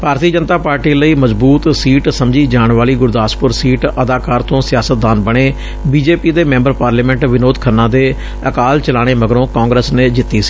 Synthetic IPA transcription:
bʱaːɾt̪iːəd͡ʒənt̪aːpaːɾʈiːləiːməzbuːt̪siːʈsəmd͡ʒiːd͡ʒaːɳʋaːliːɡʊɾd̪aːspʊɾsiːʈəd̪aːkaːɾt̪õːsɪjaːsət̪̚d̪aːnbəɽ̃eː | biːd͡ʒeːpiːd̪eːmɛ̃mbəɾpaːɾliːmɛ̃ɳʈʋɪnoːd̪kʰənːãːd̪eː | əkaːlt͡ʃəlaːɽ̃eːməɡɾõːkaːŋɡɾəsneːd͡ʒɪt̪ːiːsi̥ː

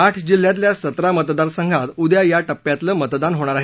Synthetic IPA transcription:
aʈʰd͡ʑil̤ːjat̪̬ljasət̪ɾamət̪d̪aɾsəŋɡʱat̪ud̪jajaʈəpːjat̪ləːmət̪d̪anɦoɽ̃aɾaɦe

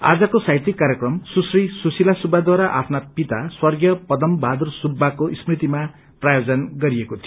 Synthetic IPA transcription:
a̰d͡zʌkosajt̪ikːaɾjekrʌmsusrisusilasubʱad̪waɾaʔa̰pʰnapit̪aswʌrɡjʌpʌd̪ʌmbad̪ursubʱːakosprit̪ima | prajod͡zʌnɡʌɾiekot̪ʰijo

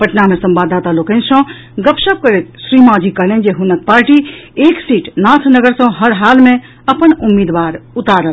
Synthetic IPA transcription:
pəʈnamesəmbad̪at̪alokənsə̃ | ɡəpʃəp̚kəɾet̪sɾimad͡ʒikəɦlend͡ʒeɦunək̪̚paɾʈieksiʈnat̪ʰnəɡəɾsə̃ɦəɾɦalmẽ | əpənumːid̪ʋaɾut̪aɾəl

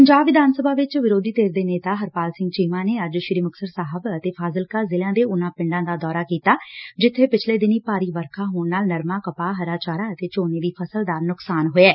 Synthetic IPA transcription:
pəɲd͡ʒaːbʋɪd̪aːnsəbʱaːʋɪt͡ʃʋɪɾoːd̪iːt̪eːɾd̪eːneːt̪aːɦəɾpaːlsɪ̃ŋɡt͡ʃiːmãːneːəd͡ʒʃɪɾiːməksəɾsaːɦəbət̪eːpʰaːzəlkaːzɪlãːd̪eːʊnãːpɪ̃ɳɖãːd̪aːd̪ɔːɾaːkiːt̪aːd͡ʒɪt̪ʰːeːpɪt͡ʃʰleːd̪ɪniːpaːɾiːʋəɾkʰãːɦoːɳnaːlnəɾmãːkəpaːɦəɾaːt͡ʃaːɾaːət̪eːt͡ʃoːneːd̪iːpʰəsəld̪aːɾnʊksaːnɦoeɛː

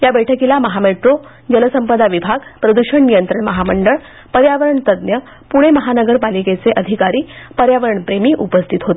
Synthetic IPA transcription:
jabɛʈʰəkilaməɦameʈɾo | d͡ʑələsəmpəd̪aʋibʱaɡpɾəd̪uɕəɳnijənt̪ɾəɳməɦaməɳɖəɭ | pəɾjaʋəɾəɳt̪əd̪njə | puɽ̃eməɦanəɡəɾpaliket͡seʔəd̪ʱikaɾiːpəɾjaʋəɾəɳpɾemiːʔupəst̪ʰit̪ɦot̪

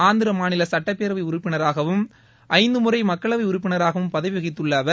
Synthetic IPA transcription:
aːnd̪ɪɾɐmaːnɪlɐsɐʈːɐpːeːɾɐʋɐɪʊɾʊpːɪnɐɾaːɣɐʋɯm | ʔɐɪnd̪ɯmɯrɐɪmɐkːɐɭɐʋɐɪʊɾʊp̬ːɪnɐɾaːɣɐʋɯmpɐðɐʋʋɐɣɪt̪ːɯɭːaːʋɐ

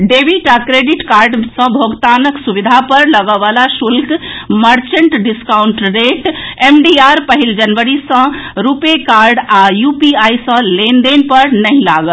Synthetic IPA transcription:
ɖebiʈakɾeɖiʈkaɾɖsə̃bʱoɡt̪anəksubid̪ʱapəɾləɡəʋalasulkməɾt͡ʃəɳʈɖiskauɳʈɾeʈemɖiaɾpəɦild͡ʒənʋəɾisə̃ɾupekaɾɖajupiajsə̃lend̪enpəɾnəɦĩlaɡəl

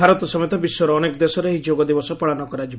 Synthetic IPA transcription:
aɾɔt̪ɔsɔmɔjt̪ɔbiswɔɾɔːnekɔd̪esɔɾeɦid͡ʒoɡɔd̪ibɔsɔpɔɭanɔkɔɾad͡ʒib

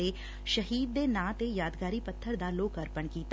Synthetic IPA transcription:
e | ʃəɦiːd̪̚ːeːnãːt̪ejaːd̪ɡaːɾiːpət̪ʰːəɾd̪aloːkəɾpəɳkiːt̪

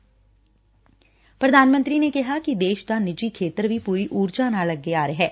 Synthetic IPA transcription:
pɾɐd̪ʱaːnmə̃nt̪ɾinekɐɦakid̪eːʃt̪anɪd͡ʒikʰeːt̪əɾbʱipuːɾiʔuːɾd͡ʒaːnalɐɡ̚ːeaːɾeɦɛː

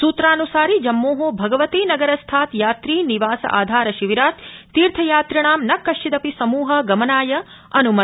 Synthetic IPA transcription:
suːt̪ɾaːnusaːɾid͡ʒɐmːoːɦobʱɐɡɐʋɐt̪iːnɐɡɐɾɐst̪ʰaːt̪jaːt̪ɾiːniʋaːsɐ̰ʔa̰ːd̪ʱaːɾɐʃiʋiɾaːt̪t̪ːiːɾt̪ʰɐjaːt̪ɾɐɳaːmnɐkːɐʃt͡ʃid̪ɐpisɐmuːɦɐɡɐmɐnaːjɐ | ɐnumɐ

